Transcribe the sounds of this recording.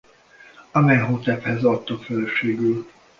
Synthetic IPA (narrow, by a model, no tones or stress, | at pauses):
ɒmɛɦoːt̪ɛphɛzɒt̪ːokfɛløʃeːɡyl